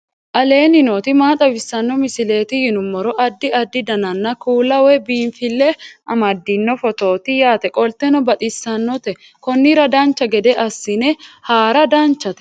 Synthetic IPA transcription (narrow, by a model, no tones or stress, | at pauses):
ʔɐle̞ːnɪnoːt̪ɪmaːt̪ʼɐbɪsːɐnːɔmɪsɪle̞ːt̪ɪhɪnʊmːɔɾɔʔɐd̪ːɪɐd̪ːɪd̪ɐnɐnːɐkuːlɐwɛbiːnfɪlːɛʔɐmɐd̪ːɪnːɔfɔt̪o̞ːt̪ɪjaːt̪ɛkʼɔlt̪ɛnɔbɐt̪ʼɪsːɐnːɔt̪ɛ | kɔnːɪɾɐd̪aːnt͡ʃːɐɡɛd̪ɛʔɐsːɪnɛhaːɾɐd̪aːnt͡ʃːɐt̪ɛ